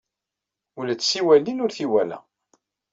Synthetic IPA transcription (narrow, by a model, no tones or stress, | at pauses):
ʊlət͡sːsiwælinʊɾθiwælæ̰